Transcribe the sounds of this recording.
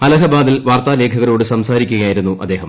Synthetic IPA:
hɐlɐɦɐbaːd̪ilʋaːrt̪aːle̞ːkʰɐɣɐɾo̞ːɽɨsɐmsaːɾikʲːuɣɐjaːjiɾunːuʔɐ̰d̪ːe̞ːɦɐm

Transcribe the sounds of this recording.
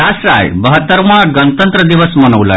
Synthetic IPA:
asɾa̰jbəɦət̪ːəɾmaɡənt̪ənt̪ɾəd̪iʋəsmənəʋla̰

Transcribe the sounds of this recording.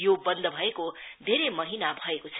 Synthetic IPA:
jobʌnd̪ʱʌbʱʌekod̪ʱeɾemʌɦinabʱʌekot͡sʰ

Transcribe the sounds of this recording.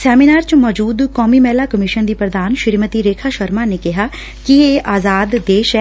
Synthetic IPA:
sɛːminaːɾt͡ʃmɔːd͡ʒuːd̪kɔːmiːmɛːlaːkəmɪʃənd̪iːpɾəd̪aːnʃɪɾmət̪iːɾeːkʰaːʃəɾmaːneːkɪɦaː | kɪeːʔaːzaːd̪ːeːʃɛː

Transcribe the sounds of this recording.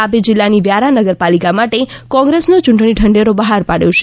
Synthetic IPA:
apid͡ʒɪlːaniʋjaɾanəɡəɾpalikamaʈekɔ̃ŋɡɾesnot͡ʃuɳʈɽ̃iʈʰəɳɖeɾobəɦaɾpaɽjõt͡ʃ

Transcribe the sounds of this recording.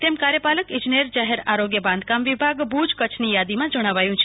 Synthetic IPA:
t̪emkaɾjəpaləkɪ̃d͡ʒineɾd͡ʒaɦeɾaɾoɡjəbãnd̪̚kamʋibʱaɡbud͡ʒkət͡ʃʰnijad̪imãd͡ʒəɽ̃aʋajũt͡ʃʰe̥

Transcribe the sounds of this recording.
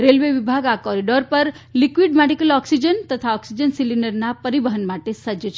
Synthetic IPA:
ɾelʋeʋibʱaɡakɔɾiɖoɾpəɾ | likʋiɖmɛɖikəlɔksid͡ʒənt̪ət̪ʰaɔksid͡ʒənsiliɳɖəɾnapəɾibəɦənmaʈesəd͡ʒət͡ʃʰe

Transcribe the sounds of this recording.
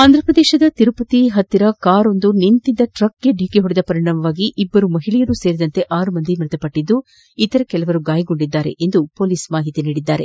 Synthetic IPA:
aːnd̪ɾɐpɾɐd̪ɛːʃɐd̪ɐt̪iɾupɐt̪iɦɐt̪ːiɾɐkaːɾo̞nd̪unint̪id̪ɐʈɾɐkɡeɖiːkiɦoɽid̪ɐpɐɾiɳɐːmɐʋaːɡiʔibːɐɾumɐɦiɭɛjɐɾuse̞ːɾid̪ɐnt̪e̞ʔaːɾumɐnd̪imɾɪt̪ɐpɐʈːid̪ːu | it̪ɐɾɐkɛlɐʋɐɾuɡaːjɐɡo̞ɳɖid̪ːaːɾe̞ʔend̪upo̞ːliːsmaːɦit̪iniːɽid̪ːaːɾe̞

